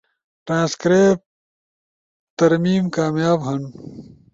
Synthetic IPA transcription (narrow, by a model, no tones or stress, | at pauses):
ʈɾãːskɾeːp̚ | t̪ɐɾmiːmkaːmjaːbɦɐn